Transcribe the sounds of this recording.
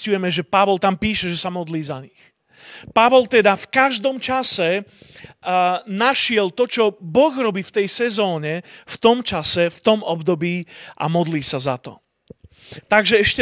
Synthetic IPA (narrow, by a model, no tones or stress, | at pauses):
cujɛmɛʒɛpaʋɔlt̪ampiːʃɛʒɛsamɔd̪liːzaɲix | paʋɔlt̪ɛd̪afkaʒd̪ɔmt͡ʃasɛ | naʃɪɛlt̪ɔt͡ʃɔbɔɣɾɔbiːft̪ɛjsɛzɔːɲɛft̪ɔmt͡ʃasɛft̪ɔmɔbd̪ɔbiːa̰mɔd̪liːsaza̰t̪ɔ̰ | t̪aɡʒɛɛʃcɛ